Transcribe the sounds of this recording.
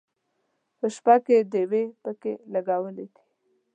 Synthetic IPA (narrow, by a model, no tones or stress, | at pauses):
pəʃpaked̪ewepəkelaɡawəled̪i̥